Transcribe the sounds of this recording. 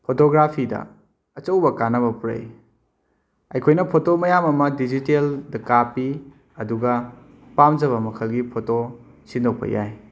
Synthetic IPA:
pʰotoɡɾapʰidɐ̰ | ɐt͡ʃɐwbɐkanɐbɐpuɾɐ̰j | ɐjkʰojnɐpʰotomɐjamɐmɐdid͡ʒiteldɐkapi | ɐduɡɐ | pamd͡ʒɐβɐmɐkʰɐlɡipʰoto | sindʱok̚pɐ̰ja̰j

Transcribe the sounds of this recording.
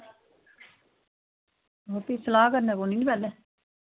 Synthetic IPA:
ɦopisəlaːkəɾnɛːkoninipɛlɛ

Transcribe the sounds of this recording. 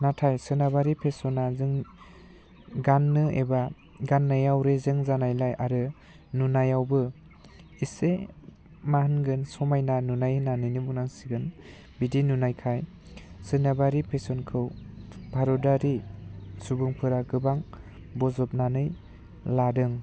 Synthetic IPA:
natʰajsɯnabaɾipʰesɔnazɯŋ | ɡanːɯeba | ɡanːajawɾezɯŋzanajlajʔaɾɯ | nunajawbɯ | ise | mahɯnɡɯnsɔmajnanunajhɯnanɯnibuk̚naŋsiɡɯn | bidinunajkʰaj | sɯnabaɾipʰesɔnkʰɯwbʱaɾɔdaɾisubɯŋpʰɯɾaɡɯbaŋ | bɔzɔp̚nanɯj | ladɯŋ

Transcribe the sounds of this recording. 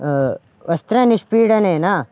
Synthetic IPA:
ʋɐst̪ɾɐniʂpiːɽɐneːna

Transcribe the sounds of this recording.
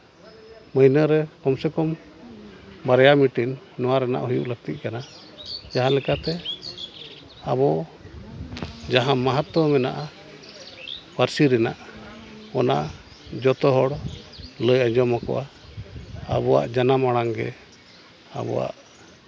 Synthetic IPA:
məjnəɾɛkɔmsɛkɔm | baɾɛjamiʈinː | ɔwaɾɛna̰ʔhujṵʔləɡ̚t̪it̪̚kana | d͡ʒaɦãlɛkat̪ɛ | abɔ | d͡ʒaɦãmaɦat̪ɔmɛnaʔa | paɾsiɾɛnaʔ | kɔna | d͡ʒɔt̪ɔɦɔɽləjad͡ʒɔmakɔ̰ʔa | a̰βɔwa̰ʔd͡ʒanamaɽ̃aŋɡɛ̰ | a̰bɔ̰wa̰ʔ

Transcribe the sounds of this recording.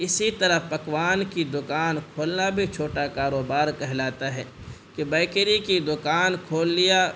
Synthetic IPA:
ɪsit̪ɐɾəpɐkwaːnkid̪ʊkaːnkʰoːlnabʱit͡ʃʰoːʈakaːɾoːbaːɾkɛɦlaːt̪aɦɛː | kebɛːkɾikid̪ʊkaːnkʰoːlːija

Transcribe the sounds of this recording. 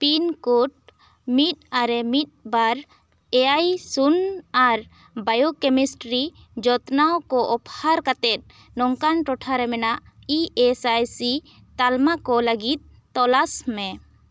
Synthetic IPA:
pinkuʈ̚ | mit̪̚aɾɛmit̪̚baɾ | eajsunaɾ | bajokɛmisʈɾi | d͡ʒɔt̪nawkɔʔɔphaɾkat̪ɛt̪̚ | nɔŋkanʈɔʈʰaɾɛmɛnaʔ | iesajsi | t̪almakɔləɡit̪̚ːɔlasmɛ̃

